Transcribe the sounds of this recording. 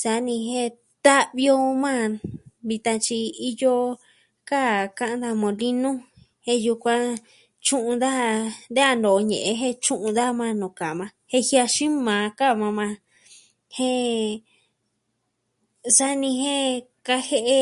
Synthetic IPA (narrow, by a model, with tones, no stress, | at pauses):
sa˧˦nĩ˧ɦẽ˦ | t̪a˦ʔβi˧o˧mã˦˨βi˧t̪ã˧t͡ʃi˧i˧jo˧ | ka˦˨ka˧˦ʔã˧˦nd̪a˧mõ˨li˦nũ˦ | hẽ˦˧ju˧kʷã˧ | t͡ʃũ˦ʔũ˧d̪a˦nd̪e˦a˧nd̪o˨˧ɲḛ̃˨ʔe˧ɦẽ˦˧t͡ʃũ˦ʔũ˧d̪a˦mã˧nũ˨ka˨mã˧hẽ˦˧hja˧ʃĩ˦mãː˨˧ka˦˨mã˧mã˧ | hẽ˦ | sa˦nĩ˧ɦẽ˦ka˧he˦˧ʔe˧